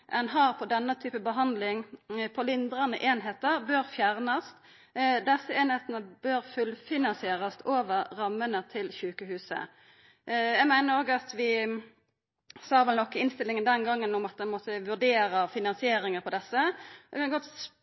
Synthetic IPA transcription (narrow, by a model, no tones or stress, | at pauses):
ʔɛnɦɑːʁpʰɔd̪ɛnːət̪ʰyːpəbəɦɑnd̪lɪŋpʰɔlɪnd̪ɾɑnəʔeːnɦeːt̪əʁbøːɾfjæʁnɑst̪ | d̪ɛsːəeːnheːt̪ənəb̥øːɾfʉlfɪnɑnsɪeːɾɑst̪ʰoːʋəʁːɑmːənət̪ʰɪlçʉːkəɦʉːsə̰ | jæɪmæɪnəɾoːɡəɑt̪ʋɪ | sɑːʋɛlnɔkːəɪnst̪ɪlːɪŋənd̪ɛnɡɑŋːənʊmɑt̪̚d̪ɛnmɔt̪ːəʋʉʁd̪eːɾəfɪnɑnsɪeːɾɪŋəʁpʰɔd̪ɛsːəɛkʰɑnɡɔt̪